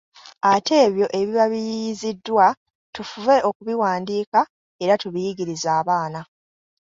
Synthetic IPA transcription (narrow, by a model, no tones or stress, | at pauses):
ate̞ːβjo̞ʔe̞βiβaβijijizidːwa | tufuve̞o̞kuβiwaːndiːka | e̞ɾatuβijiɡiɾizaːβaːna